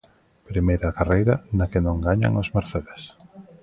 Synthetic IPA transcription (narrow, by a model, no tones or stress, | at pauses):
pɾimejɾakarejɾɐnakɪnõŋɡaɲa̰ŋozmeɾθeðes